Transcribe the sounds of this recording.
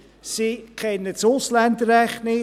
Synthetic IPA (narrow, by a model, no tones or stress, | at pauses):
sɪkʰɛnːət͡sʊslænd̪əɾɛχnɪ